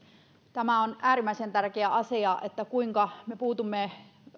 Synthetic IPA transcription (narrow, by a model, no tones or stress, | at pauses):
t̪æmæonʔæːrimːˑæisent̪ærkeæʔɑsiɑʔet̪ːækuiŋkɑmepuːt̪umːe